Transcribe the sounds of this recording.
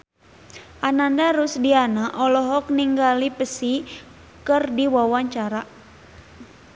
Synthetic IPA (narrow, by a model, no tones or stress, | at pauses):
ʔanandaɾusdianaʔɔlɔɦɔk̚niŋɡalipəsi | kərdiwawaɲt͡ʃaɾa